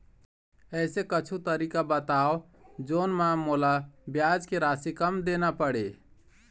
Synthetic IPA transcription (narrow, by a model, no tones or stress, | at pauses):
ɛsekət͡ʃʰut̪əɾiːkabət̪aːo | d͡ʒoːnmãmolabjad͡ʒkeɾaːsikəmd̪enapəɽe